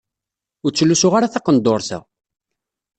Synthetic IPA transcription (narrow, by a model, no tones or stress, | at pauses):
ʊɾt͡sːlːusʊʁaɾaθɑqənd̪oɾsæ̰